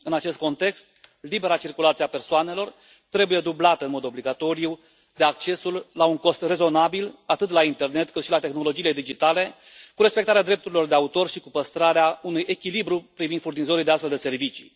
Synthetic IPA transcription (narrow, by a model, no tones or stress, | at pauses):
ɨnat͡ʃe̞st̪ko̞nt̪e̞kst̪libe̞ɾat͡ʃirkulat̪siape̞rsoane̞lo̞r | t̪ɾe̞buje̞d̪ublat̪əɨnmo̞d̪o̞bliɡat̪o̞ɾiju | d̪eak̚t͡ʃe̞sulːauŋko̞st̪re̞zo̞nabilat̪ɨt̪laint̪e̞rne̞t̪kɨt̪ʃilat̪e̞xno̞lo̞d͡ʒiːle̞d̪id͡ʒit̪ale̞ | kuɾe̞spekt̪aɾead̪ɾe̞p̚t̪uɾilo̞rd̪eaut̪o̞rʃikupəst̪ɾaɾeaunujʔe̞kʲilibɾupɾivind̪furnizo̞ɾid̪east̪fe̞ld̪e̞se̞rvit͡ʃi̥̰